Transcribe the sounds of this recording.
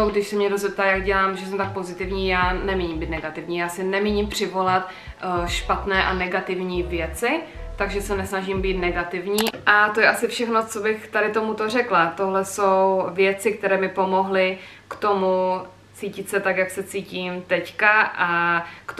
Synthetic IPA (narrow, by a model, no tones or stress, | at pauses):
oɡdɪʃsɛmɲɛdozɛp̚t̪aːjaɡɟɛlaːmʒɛs̬ɛmt̪ak̚pozɪt̪ɪvɲiːjaːnɛmiːɲimbiːt̪nɛɡat̪ɪvɲiːjaːsɪnɛmiɲimpr̝̥ɪvo̞lat̪ | ʃpat̪nɛːʔanɛɡat̪ɪvɲiːvjɛt͡sɪt̪aɡʒɛsɛnɛsnaʒimbiːt̪nɛɡat̪ɪvɲiːʔat̪o̞jɛʔasɪfʃɛxno̞t͡so̞bɪxt̪aɾɪt̪o̞mut̪o̞r̝ɛklat̪o̞ɦlɛsowvjɛt͡sɪk̚t̪ɛɾɛːmɪpo̞mo̞ɦlɪ | kt̪o̞mu | t͡siːcɪt̪sɛt̪akjaksɛt͡siːciːmt̪ɛckaʔakt